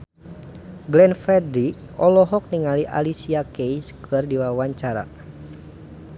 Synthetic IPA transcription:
ɡlɛnfɾɛdɾik̚ | ɔlɔɦɔk̚niŋaliʔa̰lisiakejskʰɨrdiwawaɲt͡ʃaɾa̰

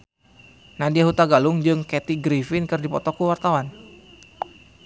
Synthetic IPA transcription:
nadiaɦut̪aɡalʊŋd͡ʒɨŋkɛt̪iɡɾifɪnkɨrdipɔt̪ɔkuwart̪awan

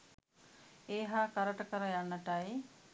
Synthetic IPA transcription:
eːɦaːkɐɾɐʈɐkəɾəjanːɐʈɐi

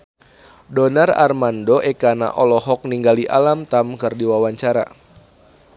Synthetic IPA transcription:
dɔnara̰rmandoʔɛkana̰ʔɔlɔɦɔk̚niŋɡaliʔalamt̪amkɨrdiwawaɲt͡ʃaɾa̰

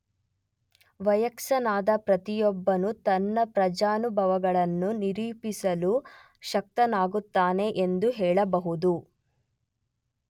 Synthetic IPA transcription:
ʋɐjɐkʃɐnaːd̪ɐpɾɐt̪ijɔbːɐnut̪ɐnːɐpɾɐd͡ʒaːnubʱɐʋɐɡɐɭɐnːuniɾiːpisɐlu | ʃɐk̚t̪ɐnaːɡut̪ːaːne̞ʔend̪uɦɛːɭɐbɐɦud̪u

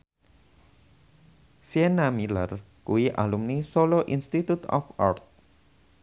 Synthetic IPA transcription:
siɛnamilər | kuiʔa̰lumnisoloʔinst̪it̪ut̪ɔ̰fa̰rt̪̚

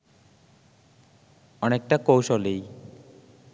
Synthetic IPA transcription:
ɔnek̚ʈakowʃolej

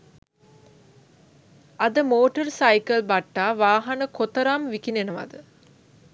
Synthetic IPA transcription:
ɐd̪ɐmoːʈɐɾsɐjkɐlbɐʈːaːʋaːɦɐnəkot̪ɐɾaːmʋikinenɐʋɐ̰d̪ə

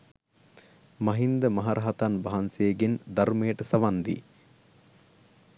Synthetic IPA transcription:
mɐɦind̪əmɐɦaɾʔaɦɐt̪anbaɦɐnsejːɡend̪ɐɾmeːʈəsɐʋand̪ḭ

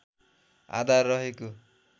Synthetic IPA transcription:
a̰d̪ʱarːʌɦeko

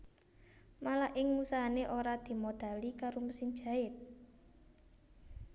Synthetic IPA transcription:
malaʔɪŋmusaɦaneʔoɾad̪̥i̤mod̪̥a̤likaɾomusɪn̥ʒ̥ä̤ɪt̪̚

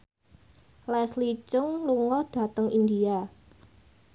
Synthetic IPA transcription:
lɛslit͡ʃʊŋluŋɔhd̥a̤t̪əŋʔind̪ia

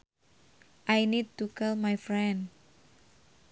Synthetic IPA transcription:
ʔajnid̚t̪ukɛlmajfɾɛnd

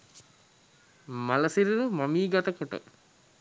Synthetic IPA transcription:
mɐlɐsiɾuɾumɐmiːɡɐt̪ɐkəʈə̰

